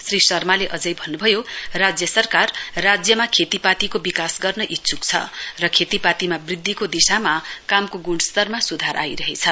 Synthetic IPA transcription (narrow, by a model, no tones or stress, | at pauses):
srisʌrmaleʔʌd͡zʌjbʱʌnːubʱʌjorad͡zjʌsʌrkarːad͡zjʌmakʰet̪ipat̪ikobikasɡʌrnʌʔitːsʰuk̚t͡sʰʌ̰rʌkʰet̪ipat̪imabrid̪ʱːikod̪isamakamkoɡuɽst̪ʌrmasud̪ʱaɾʔa̰jɾʌɦet͡sʰʌ